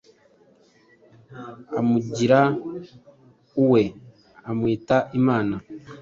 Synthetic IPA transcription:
amuɟiɾa | uwe̞ | amwiːtaʔimaːna

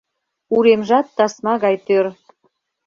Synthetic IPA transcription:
uɾemʒɑt̪ːɑsmɑɣɑjt̪øɾ

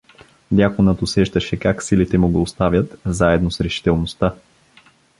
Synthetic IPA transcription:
d̪ʲjakonət̪osɛʃd̪əʃɛkaksilit̪ɛmuɡəːst̪avʲjət̪zaɛd̪nosɾɛʃi̥t̪ɛlˠnost̪a

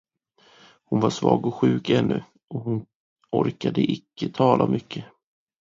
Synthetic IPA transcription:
hʊnvaʂvɑːɡɔɧʉ̟ːkɛnːɵ | ʔɔhʊn | ɔɾkad̪əʔɪkːət̪ʰɑːlʔamʔʏkʰːə

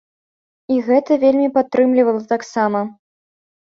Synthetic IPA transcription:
iɣɛt̪ɐvʲelʲmʲipat̪ːɾɨmlʲivɐlˠɐt̪aksamɐ

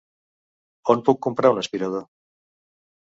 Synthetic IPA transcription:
onpukːompɾaunaspiɾað̞o

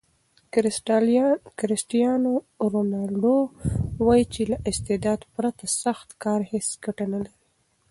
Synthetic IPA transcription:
kɾɪsʈijɑno | ɾonɑlɖowɑjit͡ʃelaʔɪst̪ɪd̪ɑd̪pɾat̪asaxt̪kɑɾhesɡaʈanalaɾi

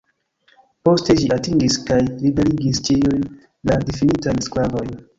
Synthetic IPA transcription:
po̞ste̞ʃiatiŋɡiskajlibe̞ɾiɡist͡ʃijujn | ladifinitajsklavo̞jn

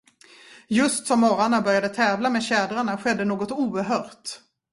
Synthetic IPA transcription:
jɵst̪sɔmːɔɾaɳabœɾjad̪ət̪ʰɛːvlameːd̪ɕɛːd̪ɾaɳaɧɛd̪ːənoːɡɔt̪uːɾɦœːɾt̪

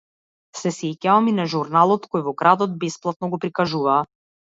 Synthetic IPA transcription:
sɛsɛcaɔminaʒuɾnalˠɔt̪kɔjvɔɡɾad̪ɔd̪̚bɛsplˠat̪nɔɡɔpɾikaʒuvaː

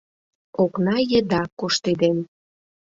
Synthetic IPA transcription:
oknɑjəd̪ɑkoʃt̪ed̪en

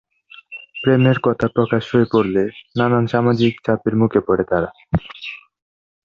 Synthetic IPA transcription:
pɾemeɾkɔt̪ʰapɾokaʃhoepoɾlenananʃamad͡ʑikt͡ɕapeɾmukʰepoɾet̪aɾa

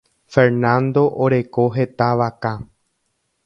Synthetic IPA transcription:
fe̞ɾnãnd̪o̞ʔoɾe̞ko̞ɦe̞t̪aʋaka

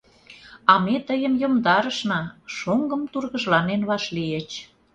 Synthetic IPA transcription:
ɑmet̪əjəmjomd̪ɑɾəʃnɑʃoŋɡə̆mt̪urɣəʒlɑnenβɑʃliet͡ɕ

